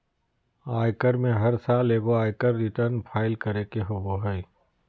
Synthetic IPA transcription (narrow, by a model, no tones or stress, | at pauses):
aːɪkəɾmẽɦɐɾsaːleːɡoaːɪkəɾːɪʈəɾnpʰaːɪlkəɾekeɦoɡoɦəi